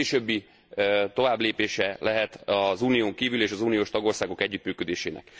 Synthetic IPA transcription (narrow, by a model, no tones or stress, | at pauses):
eʃøbːi | t̪o̞vaːbleːpeːʃɛlʔɛɦɛt̪ɒzuːnijoːŋkiːvyleːʃɒzuːnijoːʃt̪ɒɡo̞rsaːɡo̞kɛɟːyt̪myːkød̪eːʃeːnʔɛ̰k